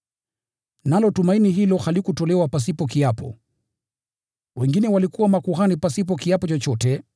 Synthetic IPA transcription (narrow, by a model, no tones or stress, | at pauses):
nalɔtumainiɦilɔhalikutɔlɛwapas̬ipɔkiapɔ̰ | wɛŋɡinɛwalikuwamakuhanipasipɔkiapɔt͡ʃɔt͡ʃɔtɛ